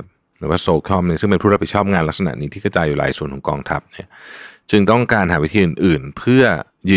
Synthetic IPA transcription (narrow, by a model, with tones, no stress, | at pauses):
p̚ | ɾɯː˨˦waː˥˩soː˧˦kʰɔ˥˩mni˧˥˩sɯ˥˩ŋpe˧nʰuː˥˩ɾa˥pi˩t͡ɕʰɔː˥˩p̚ŋaː˧nla˦˥k̚sa˧na̰˨˩ʔniː˦˥t̪ʰiː˥˩ka˧wt͡ɕaː˧juː˨˩la̰ː˨˦jsu˨˩ənkʰɔ˩˦ŋkɔː˧ŋt̪ʰa˦˥p̚ni˥˩ɐt͡ɕɯ˧ŋt̪ɔ˥˩ŋkaː˧nhaː˩˦wi˦˥t̪ʰiː˧ʔɯ˨˩nʔɯː˨˩npʰɯ˥˩ɐ | jɯː˧